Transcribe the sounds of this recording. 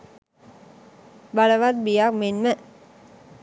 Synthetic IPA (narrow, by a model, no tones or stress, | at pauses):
baləʋat̪̚bijak̚menmə